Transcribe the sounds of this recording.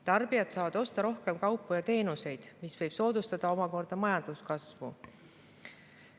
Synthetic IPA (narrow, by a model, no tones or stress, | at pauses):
t̪ɑrb̥ijɑt̪sɑːvɑd̪̥o̞st̪ɑɾo̞hke̞mkɑwpːˑujɑt̪e̞ːnuse̞jd̪̥misvɤjb̥so̞ːd̪ust̪ɑd̪̥ɑo̞mɑko̞rd̪̥ɑmɑjɑnd̪̥uskɑsvṵ